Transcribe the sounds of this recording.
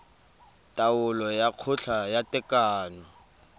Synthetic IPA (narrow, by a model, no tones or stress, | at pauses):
tʼawʊlɔjaq͡χʰʊɬajatʼɛkʼaːnɔ